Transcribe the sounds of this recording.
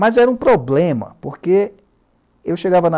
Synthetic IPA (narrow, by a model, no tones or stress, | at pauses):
mɐzɛɾɐũpɾoblẽmɐ̰poɾke | ewʃeɡavɐnɐ